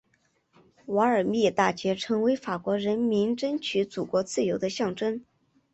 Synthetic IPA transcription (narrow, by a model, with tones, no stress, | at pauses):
wɑ˧˥ə˞˨˩mi˥˩t̪a˥˩t͡ɕɥɛ˧˥ʈ͡ʂʰɤ˧˥ŋwe˧˥ɪfa˨˩kwɔ˧˥ɻə˧˥nmi˧˥ŋʈ͡ʂə˥nt͡ɕʰy˧˥t͡su˨˩kwɔ˧˥t͡sɹ̩˥˩jo˧˥ʊd̪ə˧ɕjɑ˥˩ŋʈ͡ʂə˥n